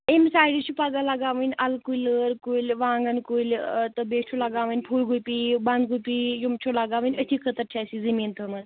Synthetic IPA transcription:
emsaːjɽit͡ʃʰupaɡaːlaɡaːʋɐnʲɐlkuləɾkulʲʋãːŋɡənkolt̪əbeːt͡ʃʰolaɡaːʋənʲpʰuːlɡupiːbɐnd̪ɡupijumt͡ʃʰolaɡaːʋənʲət̪ʰiːkʰət̪əɾʈʰaːsizəmiːnt̪ʰəmɐn

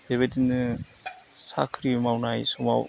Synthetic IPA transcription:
beβetinɯ | sa̰kʰɾimawnajsuma̰w

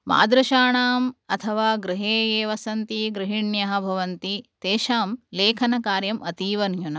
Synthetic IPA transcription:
ma̰ːd̪ɾɐʃaːɳaːmɐt̪ʰɐʋaːɡɾiɦeːeːʋɐsɐnt̪iɡɾɨɦiɳjɐɦɐ̆bʱɐʋɐnt̪it̪eːʃaːmleːkʰɐnɐkaːɾjɐmɐt̪iːʋɐnjunɐ

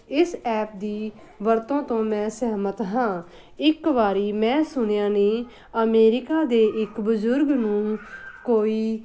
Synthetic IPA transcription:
ɪsɛːp̚d̪iː | ʋəɾt̪õːt̪õːmɛ̃ːsɛːmət̪ɦãː | ɪkʋaːɾiːmɛ̃ːsʊɳjãːneː | əmeːɾɪkaːd̪eːʔɪkbəzʊɾɡnũːkoːiː

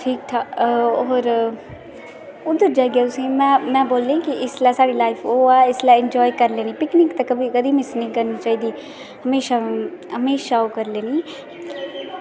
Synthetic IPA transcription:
ʈʰiːk̚t̪ʰaːoːɾ | ʊd̪əɾd͡ʒaːiɡɛːt̪ʊsĩːmɛ̃ːmɛ̃ːboːlːẽkɪʔɪslaːsaːɽiːlaːɪfʰoːɛːɪslaːɪɲd͡ʒɔːikəɾleːnĩːpɪknɪkt̪akəbʱiːkəd̪iːmɪsnĩːkəɾniːt͡ʃaːiːd̪iː | həmeːʃaːɦəmeːʃaːoːkəɾleːniː

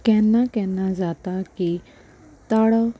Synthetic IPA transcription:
kɛnakɛ̃nad͡zat̪aki | t̪aɽə

